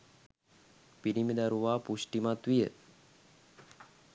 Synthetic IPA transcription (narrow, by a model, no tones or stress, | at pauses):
piɾimid̪aɾuʋaːpusʈimat̪ʋijə